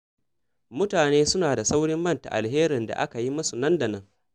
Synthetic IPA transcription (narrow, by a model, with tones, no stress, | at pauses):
mʊ˦taː˨neː˦sʊ˦naː˨da˨sa˦wɽɪ˦mːɐ˦nta̰˨ʔa̰˨lɦeː˦ɾɪ˨nda̰˨ʔa̰˦ka˨ji˦mʊ˦su˨nɐ˦nda˨nɐ˦ŋ